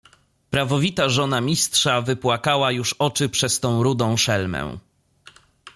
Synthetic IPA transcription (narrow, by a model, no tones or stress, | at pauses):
pɾavɔvʲit̪aʐɔnamʲistʂavɘpwakawajuʂɔt͡ʂɘpʂɛst̪ɔ̃w̃ɾud̪ɔ̃w̃ʂɛlmɛ̰̃w̃